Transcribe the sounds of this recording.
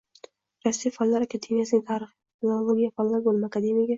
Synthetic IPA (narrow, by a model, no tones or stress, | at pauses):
ɾasːijfallːaɾakʰad̪e̞mjasɪnɪŋt̪ʰaɾɨχiflˠalˠoɡʲijafallːaɾbolˠmakʰad̪emijaɡʲa